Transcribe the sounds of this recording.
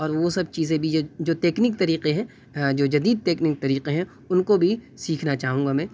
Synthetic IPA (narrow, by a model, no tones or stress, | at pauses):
ɔːɾʋosɐb̚t͡ʃiːzẽbʱid͡ʒoːd͡ʒoːt̪eːknɪkt̪ɐɾiːqeɦɛ̃ | d͡ʒoːd͡ʒɐd̪iːd̪̚t̪eːknɪk̚t̪ɐɾiːqeɦɛ̃ | ʊnkobʱi | siːkʰnat͡ʃaːɦũːɡamɛ̃ː